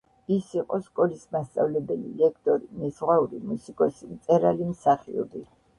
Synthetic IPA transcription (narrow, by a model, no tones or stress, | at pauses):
isiqʼɔskʼɔlismast̪sʼa̰vlɛbɛlḭlɛkʰt̪ʼɔɾinɛsʁwauɾḭmusikʼɔsimt̪sʼɛɾalimsaχiɔ̰bi